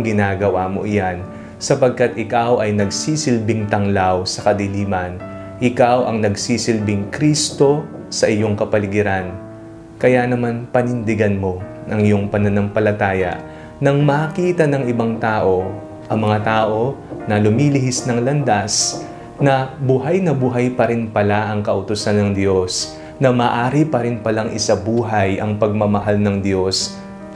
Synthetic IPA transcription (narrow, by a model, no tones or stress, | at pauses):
ɡɪnaːɡɐwaːmo̞̰ʔɪjan | sɐpɐɡ̚kat̪ʔɪkawʔɐjnɐɡsiːsɪlbɪŋt̪ɐŋlawsɐkɐd̪ɪliːmɐn | ʔɪkawʔɐŋnɐɡsiːsɪlbɪŋkɾist̪o̞ | sɐʔɪjo̞ŋkɐpɐlɪɡɪɾan | kɐjanɐmanpɐnɪnd̪ɪɡɐnmo̞ | ɐŋɪjo̞ŋpɐnɐnɐŋpɐlɐt̪aːjɐ̰ʔ | nɐŋmɐkiːt̪ɐnɐŋɪbaŋt̪aːʔo̞ | ʔɐŋmɐŋat̪aːʔo̞nɐlʊmiːlɪɦɪsnɐŋlɐnd̪as | nɐbuɦajnɐbuːɦɐjpɐɾɪnpɐlaʔɐŋkɐʔʊt̪ʊsanːɐŋd̪jo̞s | nɐmaːʔaːɾipɐɾɪnpɐlaŋʔɪ̰sabuːɦɐjʔɐŋpɐɡ̚mɐmɐɦalnɐŋd̪jo̞s